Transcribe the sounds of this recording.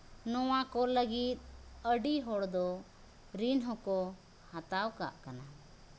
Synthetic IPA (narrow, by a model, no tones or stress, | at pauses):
nɔwakɔləɡit̪̚əɖiɦɔɽd̪ɔ | ɾinɦɔ̃kɔ | hat̪awka̰ʔkana